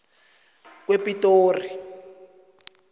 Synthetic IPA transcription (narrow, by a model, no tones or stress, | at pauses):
k̬wepitoːri